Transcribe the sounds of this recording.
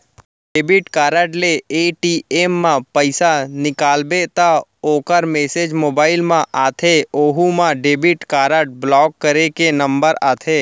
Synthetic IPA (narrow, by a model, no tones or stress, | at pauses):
ɖeːbɪʈkaːɾəʈleeːʈieːmːãpəɪsanɪkaːlbet̪aoːkəɾmeːsed͡ʒmoːbaːɪlmãʔaːt̪ʰeoːɦumãɖeːbɪʈkaːɾəʈ̚blɔːk̚ːəɾekenə̃mbəɾaːt̪ʰeː